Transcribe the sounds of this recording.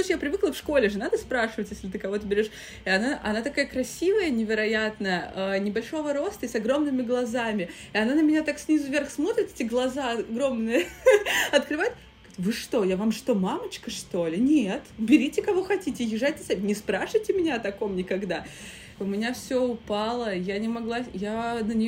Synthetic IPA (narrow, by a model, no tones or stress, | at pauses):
uɕjapɾʲɪvɨklˠəfʂko̞lʲɪʐɨnad̪əspɾaʂɨvətʲjesʲlʲɪt̪ɨkɐvo̞t̪əbʲɪɾʲoʂ | ɪɐnaʔɐ̰nat̪ɐkajəkɾɐsʲivəjənʲɪvʲɪɾɐjat̪nəəənʲɪbɐlʲʂo̞vəɾo̞st̪əɪsɐɡɾo̞mnɨmʲɪɡlˠɐzamʲɪ | ɪɐnanəmʲɪnʲat̪aksʲnʲizʊvʲerxsmo̞t̪ɾʲɪt̪ɛ̥tʲɪɡlˠɐzaɐɡɾo̞mnɨjə | ɐt̪kɾɨvajɪt̪ | t̪vɨʂt̪o̞javamʂt̪o̞mamət͡ɕkəʂt̪o̞lʲɪnʲet̪bʲɪɾʲitʲɪkɐvo̞xɐtʲitʲɪjɪʐajʲtʲɪ̥sabʲɪnʲɪspɾaʂɨjtʲɪmʲɪnʲaɐt̪ɐko̞mnʲɪkɐɡd̪a | ʊmʲɪnʲafsʲoʊpalˠəjanʲɪmɐɡlˠajanənʲɪj